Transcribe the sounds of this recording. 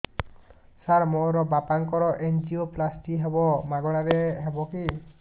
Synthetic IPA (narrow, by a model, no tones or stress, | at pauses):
saɾmoɾɔbapaŋkɔɾɔʔend͡ʒioplasʈiɦebɔmaɡɔɽ̃aɾeɦebɔki